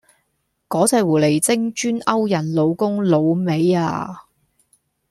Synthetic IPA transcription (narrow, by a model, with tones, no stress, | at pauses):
kɔː˨˥t͡sɛː˨˧wuː˨˩le˨˩jt͡sɪ˥ŋt͡ʃyː˥nɐ˥wjɐ˨˩nlo˨˧wkʊ˥ŋlo˨˧wme˨˧ja̰ː˧